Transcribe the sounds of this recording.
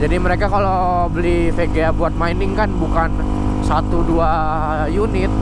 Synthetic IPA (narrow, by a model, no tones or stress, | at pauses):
d͡ʒadiməɾekakalo | bəlifeɡeabuat̪̚mainɪŋkanbukan | sat̪udua | junɪt̪̚